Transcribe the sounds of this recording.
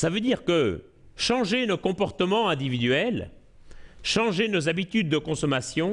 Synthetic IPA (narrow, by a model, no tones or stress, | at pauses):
savød̪iʁkə | ʃɑ̃ʒenokɔ̃pɔʁt̪əmɑ̃ɛ̃d̪ivid̪ɥɛl | ʃɑ̃ʒenozabit̪yd̪ːəkɔ̃sɔmasjɔ̃